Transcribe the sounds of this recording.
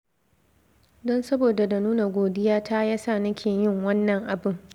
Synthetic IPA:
dɔ˦nsɐ˦boː˨da˨da˨nuː˦na˨ɡʷoː˨dɪ˦jaː˦taː˦jaː˦saː˦˨nɐ˦kʲʰeː˨jɪ˦˨ŋwɐ˦nːɐ˨ŋʔa˨bʊ˦ŋ

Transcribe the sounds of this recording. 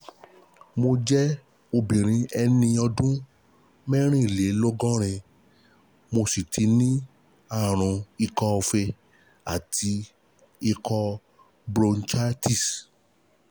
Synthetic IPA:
mo˧d͡ʒɛ˦ | o˧bĩ˨ɾ̃ĩ˧ɛ˧nĩ˧ɔ˧dũ˦ | mɛ̃˦ɾ̃ĩ˦i˨le˨˦lo˦ɡɔ̃˦ɾ̃ɛ̃˧ | mo˧si˨tʰi˧nĩ˦ | a˦˨ɾ̃ũ˨˧i˧kɔ˧ɔ˧fɛ˧ | a̰˨tʰi˧ | i˧kɔ˧ | bɾo˧nt͡ʃa˦ti˦˨s

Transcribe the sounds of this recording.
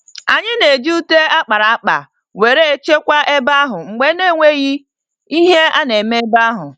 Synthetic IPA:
a˨ɲɪ˦ne˨d͡ʒi˦u˦te˦a˦k͡pa˨ɾa˨a˦k͡pa̰˨ | we˨ɾe˦e˦t͡ʃe˦kʷa˦ʔe˦ba˦ɦʊ˨ŋ͡m̩˨ɡ͡be˦ne˦˨ŋʷe˦ɣi˦ | i˦ɦe˦a˦ne˨me˦e˦ba˦ɦʊ˨

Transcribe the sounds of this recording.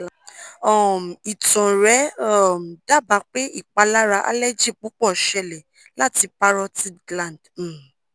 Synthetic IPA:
ɔ˦˨i˨tɔ̃˨ɾɛ˨˦ɔ˦˨m˨da˦˨ba˨˦k͡pe˦i˦˨k͡pa˨˧la˦ɾa˧ʔa̰˧lɛ˦d͡ʒi˦˨k͡pu˨˦k͡pɔ˦˨ʃɛ˧˨lɛ˨ | la˦ti˧pa˦ɾɔ˦ti˦lã˨nd̩˦˨

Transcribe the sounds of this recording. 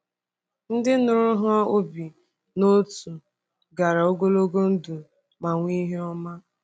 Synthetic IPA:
n̩˦dɪ˦nʊ˨ɾʊ˦ɦʊ˦a˦o˦bi˨ | no˦tu˨ | ɡa˨ɾa˨o˦ɡo˦lo˦ɡo˦n̩˦du˨ | ma˨ŋʷi˦ɦe˦ɔ˦ma˦

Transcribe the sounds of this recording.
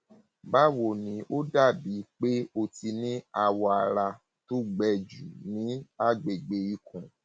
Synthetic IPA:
ba˦wo˨nĩ˨˦ʔo˦da˦˨bi˨˦k͡pe˦o˧ti˧nĩ˦a˧wɔ˧a˧ɾa˧ | to˦ɡ͡bɛ˧˨d͡ʒu˨nĩ˨˦a˦˨ɡ͡be˨ɡ͡be˧i˧kʰɔ̃˨

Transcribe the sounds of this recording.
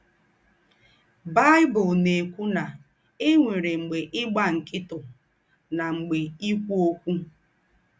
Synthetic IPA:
ba˦ɪ˦bʊ˨lne˨kʷu˦na˨ | ɪ˦ŋʷe˨ɾe˨ŋ͡m̩˨ɡ͡be˨ʔɪ˦ɡ͡ba˦ŋ̩˨kɪ˦tʊ˨ | na˨ŋ͡m̩˨ɡ͡be˨i˦kʷu˦o˦kʷu˦

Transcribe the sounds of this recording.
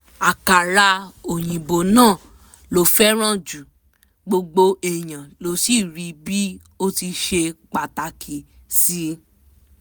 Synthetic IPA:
a˨ka˨ɾa˧o˨j̃ĩ˨bo˨nãː˦˨ | lo˨˦fɛ˦ɾ̃ã˦˨d͡ʒu˨ | ɡ͡bo˧ɡ͡bo˧ɛ˨j̃ã˨lo˨˦si˦˨ɾi˧˦bi˦ | o˦ti˧ʃe˧k͡pa˨ta˨kʰi˨si˧˦

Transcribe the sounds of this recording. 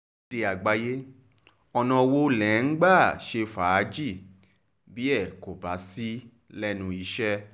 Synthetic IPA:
de˧a˨ɡ͡ba˨˧je˦ | ɔ˧nã˧wo˦lɛ̃˨˦n̩˦ɡ͡ba˦˨ʃe˧faː˨˦d͡ʒi˦˨ | bi˨˦ɛ˦˨ko˨ba˨˦si˦ | lɛ˦nũ˧i˧ʃɛ˦

